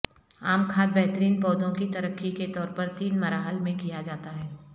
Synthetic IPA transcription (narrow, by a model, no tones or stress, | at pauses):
aːmkʰaːt̪̚bɛɦt̪əɾiːnpɔːd̪õkit̪ɐɾəkʰːiket̪ɔːɾpəɾt̪iːnmɐɾaːɦəlmẽkijad͡ʒaːt̪aɦɛː